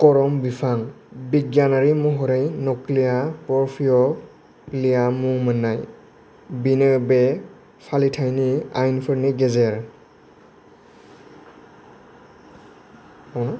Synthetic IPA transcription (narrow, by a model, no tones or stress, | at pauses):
kɔɹɔmbipʰaŋ | biɡjanaɹimɔɦɔɾejnɔklijapɔɹpʰijɔ | lijamumanːaj | binebɛ | pʰalitʰajniajnpʰɯɹniɡɛzɛɹ | ɔnɔ